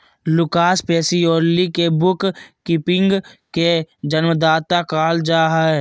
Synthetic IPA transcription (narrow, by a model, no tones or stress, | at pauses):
lʊkaːspɛːsioːɾlikebʊkkɪpɪ̃ŋɡked͡ʒənməd̪aːt̪akaːld͡ʒaːɦɛ